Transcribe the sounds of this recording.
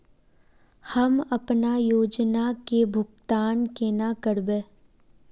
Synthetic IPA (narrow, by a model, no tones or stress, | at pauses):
həmɐpnajoːd͡ʒnakebʱʊɡt̪aːnkeːnakəɾbẽː